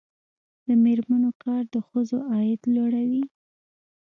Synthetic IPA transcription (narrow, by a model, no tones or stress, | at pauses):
d̪̥əmeɾmanokɑɾd̪əxəzoʔɑjɪd̪loɽawi